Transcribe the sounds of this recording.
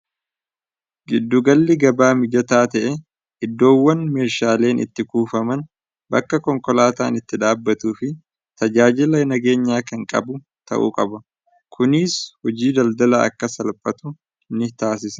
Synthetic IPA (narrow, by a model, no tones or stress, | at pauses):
ɡɪd̪ːʊɡɐlːɪɡɐbaːmɪd͡ʒɐt̪aːt̪ɛʔɛ | ʔɪd̪ːo̞ːwːɐnme̞ːʃaːle̞ːnʔɪ̰t̪ːɪkuːfɐmɐn | bɐkːɐkɔŋkɔlaːt̪a̰ːnɪt̪ːɪd̪aːbːɐt̪uːfɪ | t̪ɐd͡ʒaːd͡ʒɪlɐnɐɡe̞ːɲːaːkɐŋkʼɐ̰bʊ | t̪ʰɐ̰ʔṵːkʼɐbɐ | kʰʊniːshɔd͡ʒiːd̪ɐld̪ɐlɐɐ̰kːɐsɐlpʼɐt̪ʊ | nɪt̪aːs̬ɪsɐ̥